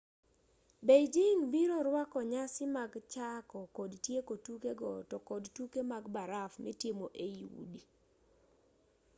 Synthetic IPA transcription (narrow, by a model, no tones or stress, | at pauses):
bejd͡ʒiŋbiɾɔɾwakɔɲasɪmaɡt͡ʃakɔkodtjekotukeɡɔtɔkodtukemaɡbaɾafmɪtjemoʔeiwṵdi